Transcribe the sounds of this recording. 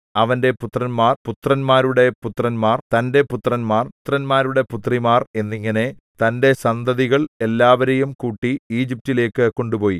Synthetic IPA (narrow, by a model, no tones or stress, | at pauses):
ɐʋɐnde̞put̪rɐnmaːrput̪rɐnmaːɾuɽe̞put̪rɐnmaːrt̪ɐnde̞put̪rɐnmaːrt̪ːrɐnmaːɾuɽe̞put̪rimaːre̞nːiŋːɐne̞ | t̪ɐnde̞sɐnd̪ɐðiɣɐɭe̞lːaːʋɐɾejumkuːʈːiiːd͡ʑip̚tile̞ːkːɨko̞ɳɖupo̞ːji